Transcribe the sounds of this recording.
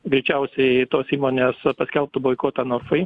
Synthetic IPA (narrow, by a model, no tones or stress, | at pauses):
ɡɾʲɛɪt͡ʃʲɛʊsʲɛɪt̪oːsiːmoːnʲeːspɐsʲkʲɛlˠp̚t̪ʊboːɪkoːt̪ɑnoːɾfɐɪ